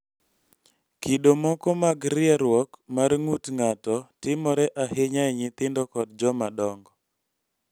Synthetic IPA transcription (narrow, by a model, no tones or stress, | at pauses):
kidomɔkɔmaɡɾɪaɾwɔkmarŋutŋatɔtɪmɔɾɛʔaɦɪɲaɛɲɪt̪ɪndɔkɔdd͡ʒɔmadɔŋɡɔ